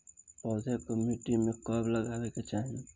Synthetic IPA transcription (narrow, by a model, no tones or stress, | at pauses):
pɔːd͡ʒʱekəmiʈimekəbləɡaːʋeket͡ʃaːɦin